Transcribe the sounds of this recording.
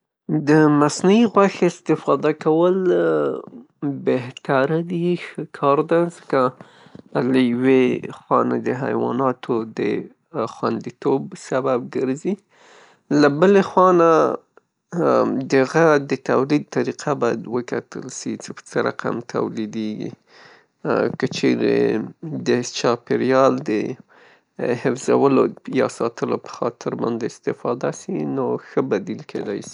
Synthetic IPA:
d̪əmasnaiɣwaxɪst̪ɪfɑd̪akawəl | beht̪aɾd̪ixəkʰɑɾd̪azəka | lajwexwɑna̰d̪əɦa̰jwɑ̰nɑt̪ʰod̪ə | xwa̰nd̪it̪obsabab̚ɡəɾzi | labəlexwɑna | d̪əɣad̪ət̪awlid̪̚t̪aɾiqʰabɑjad̪wəkat̪ə̰lʃit͡ʃepə̥t͡səɾa̰qʰa̰mt̪ʰa̰wlid̪eɡḭ | kət͡ʃeɾḛd̪ət͡ʃɑpɪɾijɑld̪ə | hɪfzawəlojɑ̰sɑt̪əlopə̥xɑt̪ʰɪɾbɑnd̪eɪst̪ɪfɑd̪asinoxəbad̪ilkʰed̪a̰jsi̥

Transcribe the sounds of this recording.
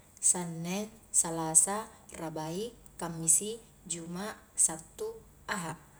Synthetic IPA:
sanːɛnsalasarabai | kamːisi | d͡ʒumaʔsat̪ːu | aɦap̚

